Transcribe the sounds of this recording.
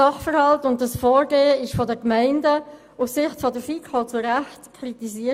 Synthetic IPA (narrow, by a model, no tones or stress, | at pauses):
ɑχfəɾhɑltʊnt̚dɑsfɔːɾɡeːəɪʃfɔdəkmɛɪndə | ufsɪχtfɔdəɾfiːkʰhɔlt͡suɾæχtkʰɾitisiə